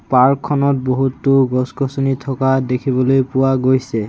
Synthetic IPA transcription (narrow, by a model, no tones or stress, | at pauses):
paɹkʰːɔnɔt̚boɦutːʊɡɔskɔsonitʰɔkadekʰibɔlojpʊwaɡojsɛ